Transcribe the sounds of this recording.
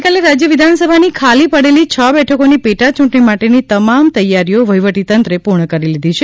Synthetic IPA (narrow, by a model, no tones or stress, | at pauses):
ikaleɾad͡ʒjəʋid̪ʱansəbʱanikʰalipəɽelit͡ʃʰəbɛʈʰəkonipeʈat͡ʃũɳʈɳimaʈenit̪əmamt̪əjaɾijoʋəjʋəʈit̪ənt̪ɾepuɾɳəkəɾilid̪ʱit͡ʃʰe